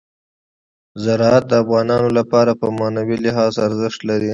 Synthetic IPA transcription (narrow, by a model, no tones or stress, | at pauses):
zaɾɑat̪̚d̪əafɣɑnɑnolapɑɾapəmɑnawilɪɦɑzaɾzɪʃt̪laɾi